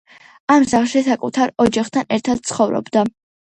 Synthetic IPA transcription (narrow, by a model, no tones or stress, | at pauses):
amzaχʃisakʼut̪ʰaɾɔd͡ʒaχt̪ʰanɛɾt̪ʰad̪̥̚t̪sχɔvɾɔ̰bd̪a